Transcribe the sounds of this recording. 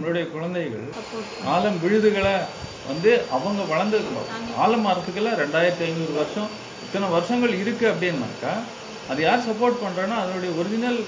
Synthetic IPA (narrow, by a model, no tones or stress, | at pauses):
mɭɯɽɐjɐkʊɻɐnd̪ɐɪɣɐ̰ɭ | naːlɐmʋɪɻɯðɯɣɐɭɐ | ʋɐ̰nd̪ɯʔɐʋɐŋɡɐʋɐɭɐnd̪ɯɾmɐ̰a̰ːlɐmaːɾkɯkːɯlaːɾɛɳɖaːjɪɾɐt̪ːɐɪɲd͡ʒɔɾɯʋɐɾʂɔ̃ | ɪt̪ːɐnɐʋɐɾɯʂɐŋɡɐɭɪɾɯkːɯɐpːɐɽɪnɐmɐ̰ːɾkːaː | ɐðɯjaːɾsɐpːoːɾʈ̚pɐɳːɾãːnːaːɐðɐlɯɽɐjɐɔɾɯd͡ʒɪnɐl